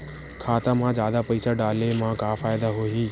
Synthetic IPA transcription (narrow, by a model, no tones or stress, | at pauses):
kʰaːt̪amãːzjaːd̪apɐɪsaːɖaːlemãkaːfaːjd̪aɦoːɦiː